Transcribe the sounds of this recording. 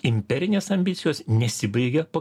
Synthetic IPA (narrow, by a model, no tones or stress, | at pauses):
ɪmʲpʲɛɾʲɪnʲeːsɐmʲbʲɪt̪sʲɪjoːsnʲɛsʲɪbɐɪɡʲɛpɐ